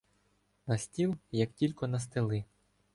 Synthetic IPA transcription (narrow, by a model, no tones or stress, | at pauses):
nɐsʲtʲilˠjɐktʲilʲkɔnɐst̪elˠɪ